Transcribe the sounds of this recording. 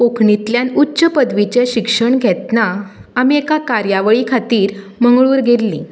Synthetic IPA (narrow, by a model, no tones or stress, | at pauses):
pokʰɳit̪ljanutːɕəpəd̪ʋit͡ɕeɕikʂəɳɡʱɛt̪naamiekakaɾjaʋəɭikʰat̪iːɾ | məŋɡɭuːɾɡʱellĩ